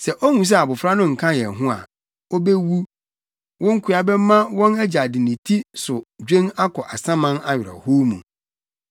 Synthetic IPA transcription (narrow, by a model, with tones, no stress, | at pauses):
sɛ˨ʔo˦hũ˨s̬ɛ˦a˨bʊ˨fɾa˦nʊ̃˦ŋ̩˨kʰã˦jɛ˨ɦʊ̃˦a̰˨ | o˦be˦wu˦ | wʔɔ̃˦ŋ̩˦kʰʊ˨˦a˨bɛ˦mã˦wɔ̃˦næ˦d͡ʑa˨dɪ˨nĩ˨tʰi˦sʊ˨d͡ʑᶣẽ˦ŋa˦kʰɔ˨ʔa˨sã˦mã˦na˦ɥɪ˨ɾa̰˨ho˦mṵ̃˨